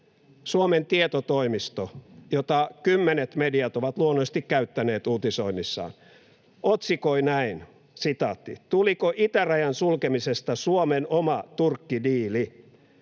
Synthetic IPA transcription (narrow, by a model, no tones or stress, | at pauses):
suoment̪iet̪ot̪oimist̪ojot̪ɑkymːenet̪mediɑt̪oʋɑt̪luonːost̪ikkæyt̪ːæneːt̪uːt̪isoinːisːɑ̰ːn | ot̪sikoinæin | sit̪ɑt̪ːḭt̪ulikoʔit̪æræjɑnsulkemisest̪ɑsuomenomɑt̪urkːidiːli